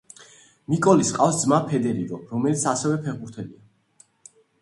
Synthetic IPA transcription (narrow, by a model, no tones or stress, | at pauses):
mikʼɔlisqʼafsd̪zmapʰɛd̪ɛɾiɾɔɾɔmɛlit̪sʰasɛvɛpʰɛʁbuɾt̪ʰɛlḭa